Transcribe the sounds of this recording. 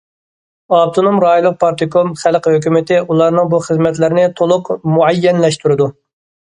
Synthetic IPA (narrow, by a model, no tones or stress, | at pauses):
ɑb̚t̪ʰonomɾɑːjlˠːəq̚pʰɑɾt̪ʰɨkʰomχælqhøkʲymɪt̪ʰɪulˠɑɾnɨŋbuχəzmɛt̪lɪɾɪnɪt̪ʰolˠʊqmuʕɛjːɛnlɛʃt̪uɾɨd̪u